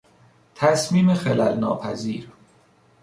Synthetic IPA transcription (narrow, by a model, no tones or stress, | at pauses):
t̪ʰæsmiːmexelælnɒ̰ːpʰæziːɾ